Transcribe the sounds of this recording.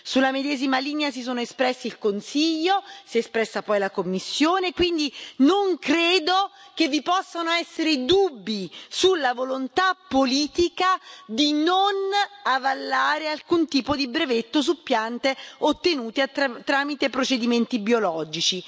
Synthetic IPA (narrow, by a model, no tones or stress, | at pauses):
sulːamed̪ɛːzimaliːneas̬isoːnoespɾɛsːilkonsiʎːosiespɾɛsːapɔjlakomːisːjoːnekwind̪inoŋkɾeːd̪ok̟evːipɔsːanoɛsːeɾed̪ubːisulːavolont̪apːoliːt̪ikad̪inonavalːaːɾealkunt̪iːpod̪ibɾevet̪ːos̬upːjant̪eot̪ːenuːt̪eat̪ːɾaːmit̪epɾot͡ʃed̪iment̪ibjolɔːd͡ʒit͡ʃi